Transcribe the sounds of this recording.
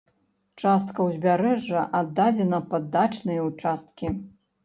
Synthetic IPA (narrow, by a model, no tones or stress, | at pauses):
t͡ʂast̪kɐwzʲbʲaɾɛʐːɐʔad̪ːad͡zʲɛnɐpad̪ːat͡ʂnɨjɐut͡ʂast̪̚kʲi